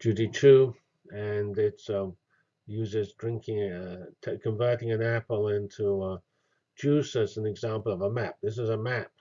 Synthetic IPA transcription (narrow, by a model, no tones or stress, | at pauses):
d̥ʒ̥ʉɾitʰʉ | ɨ̃nɪtsʌ | jʉzəzdɹɪ̃ŋkʰɪ̃ŋtʰkʰɨ̃ɱvɜ˞ɾɪ̃ŋɨ̃næpl̩ˠɪ̃ntʰuʌ | d̥ʒ̥ʉsəsn̩ɨɡzæ̃mpl̩ˠʌvəmæp̚ðɪs̬ɨzəmæp̚